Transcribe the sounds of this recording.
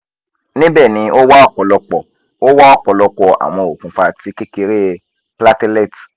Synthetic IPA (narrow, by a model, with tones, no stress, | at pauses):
nĩ˦bɛ˦˨nĩ˧ʔo˦wa˦ɔ˦˨k͡pɔ˨lɔ˧k͡pɔ˨ | o˦wa˦ɔ˦˨k͡pɔ˨lɔ˧k͡pɔ˨a̰˨w̃ɔ̃˧˨o˨kũ˨fa˧ti˨˦ke˦ke˧ɾe˦ | pla˦te˦lɛ˦˨t